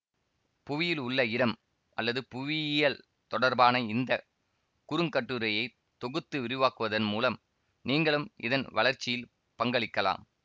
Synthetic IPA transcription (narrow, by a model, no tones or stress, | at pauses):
pʊʋɪjɪlʊɭːɐɪɽɐm | ʔɐ̰lːɐðɯpʊʋɪjɐl | t̪ɔɽɐɾbaːnɐɪnd̪ɐ | kʊɾɯŋkɐʈːɯɾɐjɐɪ | t̪ɔɣɯt̪ːɯʋɪɾɯʋaːkɯʋɐðɐnmuːlɐm | niːŋɡɐɭɯmɪ̰ðɐnʋɐɭɐɾt͡ʃːɪjɪl | pɐŋɡɐɭɪkːɐla̰ːm